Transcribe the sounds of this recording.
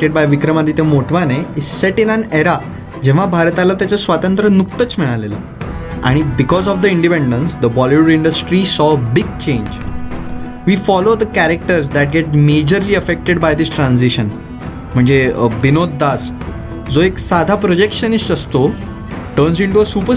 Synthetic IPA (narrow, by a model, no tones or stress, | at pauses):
ʈeɖ̚bajʋikɾəmalit̪emoʈʋaneisɛʈĩnə̃neɾa | d͡ʑẽʋ̤abʱaɾt̪alat̪jat͡ɕasʋat̪ə̃nt̪ɾənuk̚t̪ət͡smiɭalelə̰ː | a̰ɽ̃ibikɔzɔfd̪əiɳɖipẽɳɖənsd̪əbɔliʋəɖiɳɖəsʈɾisɔbiɡ̚t͡ɕẽɲd͡ʑ | ʋiːfɔlod̪əkæɾek̚ʈəɾs̬d̪æʈ̚ɡɛʈ̚med͡ʑəɾliːəfek̚ʈeɖbajd̪isʈɾãnsiɕən | m̤əɳd͡zebinot̪̚d̪as | d͡zoeksad̪ʱapɾod͡ʑekʂənisʈəst̪o | ʈəɾnsiɳʈuəsupə